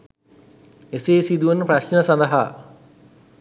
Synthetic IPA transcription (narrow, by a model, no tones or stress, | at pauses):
eseːsid̪uʋənːəpraɕnəsãnd̪əɦaː